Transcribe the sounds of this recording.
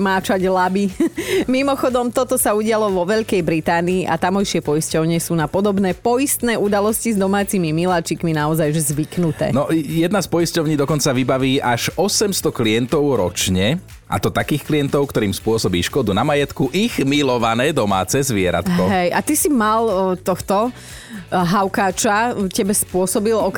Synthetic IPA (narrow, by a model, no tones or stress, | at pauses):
maːt͡ʃaɟlabimimɔxɔd̪ɔmt̪ɔt̪ɔsauɟɪalɔʋɔʋɛʎkɛjbɾit̪aːniːʔa̰t̪amɔjʃɪɛpɔjiscɔʊɲɛsuːnapɔd̪ɔbnɛːpɔjist̪nɛːud̪alɔscizd̪ɔmaːt͡simimilat͡ʃikminaɔzajʒzʋiknut̪ɛ̰ːnɔjɛd̪naspɔiscɔʊɲiːd̪ɔkɔnt͡saʋibaʋiːʔaʒɔsɛmst̪ɔkliɛnt̪ɔʊɾɔt͡ʃɲɛ | ʔa̰t̪ɔt̪akiːxkliɛnt̪ɔʊkt̪ɔɾiːmspʊɔsɔbiːʃkɔd̪unamajɛt̪kuʔiɣmilɔʋanɛːd̪ɔma̰ːt͡sɛzʋɪɛɾa̰t̪kɦɔɦɛjat̪isimalt̪ɔxt̪ɔ | ɦaʊkaːt͡ʃacɛbɛspʊɔsɔbilɔk